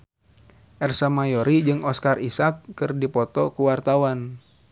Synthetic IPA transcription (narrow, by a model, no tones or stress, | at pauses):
ʔɛrsamajɔɾid͡ʒɨŋɔskarisakːɨrdipɔt̪ɔkuwart̪awan